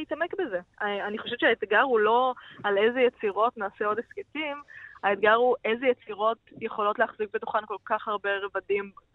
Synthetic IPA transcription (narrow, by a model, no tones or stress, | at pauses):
itamekbezeaaniχoʃevt͡ʃʃeaet̪ɡaʁhulo̞alezejet͡siʁo̞tnaːseo̞desketimaet̪ɡaʁhuʔezejet͡siʁo̞tjeχo̞lo̞tleaχzik̚betu̥χanko̞lkaχhaʁbe̞ʁevadim